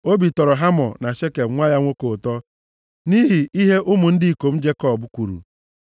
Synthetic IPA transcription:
o˦bi˨tɔ˨ɾɔ˨ɦa˦mɔ˨na˨ʃe˦ke˨b̩˦ŋʷa˦ja˦ŋʷo˦ko˨tɔ˦ | ni˦ɦi˨ʔi˦ɦe˦ʔʊ˦mʊ˨n̩˦dɪ˦i˨ko˨m̩˦d͡ʒe˦kɔ˨bʊ˦kʷu˨ɾṵ˨

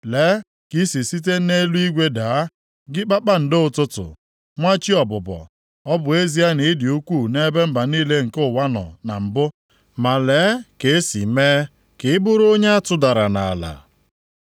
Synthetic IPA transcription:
leː˨˦ | ki˦si˨si˦t̬e˦ne˦lu˦i˦ɡʷe˦da˨˦ | ɡɪ˦k͡pa˦k͡pa˦n̩˨dɪ˦ʊ˨tʊ˦tʊ̰˨ | ŋʷa˦t͡ʃi˦ɔ˨bʊ˨bɔ̰˨ | ɔ˦bʊ˨e˦zi˦a˦ni˨˦dɪ˨u˦kʷu˦˨ne˦be˦m̩˦ba˨niː˦le˦ŋ̩˨kʊ˦˨wa˦nɔ̰˨na̰˨m̩˨bʊ˦ | ma˨leː˨˦ke˨˦si˨meː˦ | kɪ˨ɪ˦bʊ˦ɾo˦ɲe˦a˦tʊ˦da˨ɾa˨na˨a˨la̰˨

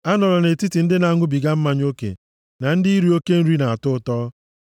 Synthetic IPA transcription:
a˦nɔ˨ɾɔ˨ne˨ti˦ti˨n̩˦dɪ˦na˨ŋʷʊ˦bi˨ɡa˦m̩˦ma˨ɲ˦o˦kḛ˨ | na˨n̩˦dɪ˦i˦ɾi˨o˦ke˦n̩˦ɾi˦na˨a˨tʊ˦tɔː˦

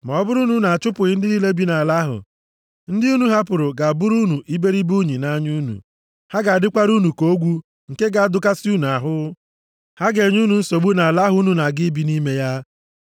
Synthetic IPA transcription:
ma˨ɔ˦bʊ˦ɾu˦nu˨na˨a˨t͡ʃʊ˦pʊ˨ɣɪ˦n̩˦dɪ˦i˦le˦bi˨˦na˨la˦ɦʊ̰˨ | n̩˦dɪ˦u˦nu˨ɦa˦pʊ˨ɾʊ˨ɡa˨bʊ˦ɾu˦nu˨ʔi˦be˦ɾi˦bu˦ɲi˨na˦ɲu˦nṵ˨ | ha˦ɡa˨a˨dɪ˦kʷa˦ɾu˦nu˨ko˦ɡʷu˦ | ŋ̩˨ke˦ɡa˨a˨dʊ˨ka˦sɪ˦u˦nu˨a˨ɦʊ˦ | ha˦ɡe˨ɲu˦nu˨n̩˦so˨bu˦na˨a˨la˦ɦʊ˦nu˨na˨ɡɪ˦bi˦ni˦me˦ja˦

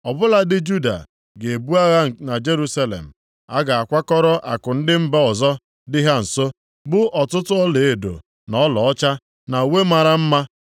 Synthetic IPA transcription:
ɔ˨bʊ˦la˨dɪ˦d͡ʒu˦da̰˨ | ɡe˨bu˦a˦ɣa˦na˨d͡ʒe˦ɾu˦sa˦lḛ˨m̩˨ | a˦ɡa˨a˨kʷa˦kɔ˦ɾɔ˦ʔa˨kʊ˨n̩˦dɪ˦m̩˦ba˦ɔ˨zɔ˦ | dɪ˦ɦa˦n̩˨so˦ | bʊ˦ʔɔ˨tʊ˦tʊ˦ɔ˦le˨e˨do̰˨ | nɔ˦lɔ˨ɔ˦t͡ʃa˦ | na˨we˦ma˨ɾa˨m̩˦ma˦

